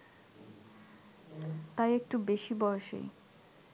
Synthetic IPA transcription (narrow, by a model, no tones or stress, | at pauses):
t̪ajek̚ʈubeʃibɔoʃḛj